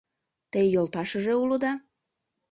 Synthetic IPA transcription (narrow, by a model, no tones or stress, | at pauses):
t̪əjjolt̪ɑʃə̆ʒeulud̪ɑ